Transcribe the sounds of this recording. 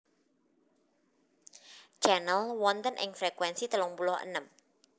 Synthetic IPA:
t͡ʃanəlwɔnt̪ənʔɪ̰ŋfɾekwɛnsit̪əlɔŋpulɔhə̰nəm

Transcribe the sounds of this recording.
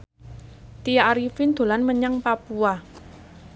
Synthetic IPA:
t̪ijaaɾifind̪̥o̤lanməɲaŋpapua

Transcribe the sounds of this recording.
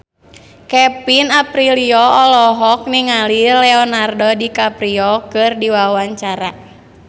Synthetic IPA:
kɛpinapɾiliɔɔlɔɦɔk̚niŋalilɛɔnardɔdikapɾiɔkɨrdiwawaɲt͡ʃaɾa

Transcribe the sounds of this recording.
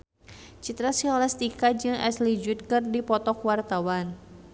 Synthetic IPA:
t͡ʃit̪ɾasiɔlɛst̪ikad͡ʒɨŋʔɛ̰slid͡ʒut̪̚kɨrdipɔt̪ɔkwart̪awan

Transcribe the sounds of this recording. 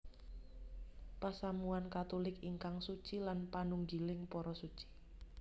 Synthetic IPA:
pasamuankat̪olɪkiŋkaŋsut͡ʃilanpanuŋɡilɪŋpɔɾɔsut͡ʃi̥

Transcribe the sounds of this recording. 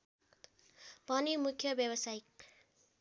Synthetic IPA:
bʱʌnimukʰːjʌbjʌbʌsajk

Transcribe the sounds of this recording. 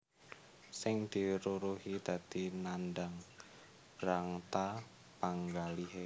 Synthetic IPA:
sɪŋd̪̥i̤ɾuɾuhid̪̥a̤d̪̥inandaŋ | b̥ɾaŋt̪a | paŋɡaliɦe

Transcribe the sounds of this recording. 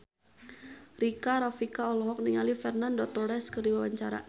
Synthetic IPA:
rikaɾafikaɔlɔɦɔk̚niŋalifɛrnandɔt̪ɔɾɛskərdiwawaɲt͡ʃaɾa̰

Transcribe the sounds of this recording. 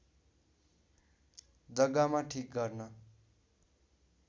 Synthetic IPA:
d͡zʌɡamaʈʰik̚ɡʌrnʌ

